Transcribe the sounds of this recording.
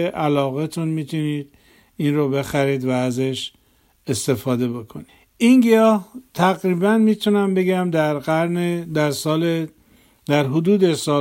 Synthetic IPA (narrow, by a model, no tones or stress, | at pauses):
eʔælɒːɣet̪ʰunmiːt̪ʰuniːd̪ | inrobe̞xæɾiːd̪væːzeʃ | e̞st̪e̞fɒːd̪e̞bo̞kʰoni | iŋɡijɒːht̪ʰæɣɾiːbænmiːt̪ʰunæmbe̞ɡæmd̪æɾɡæɾned̪æɾsɒːle | d̪̥æɾɦod̪uːd̪esɒː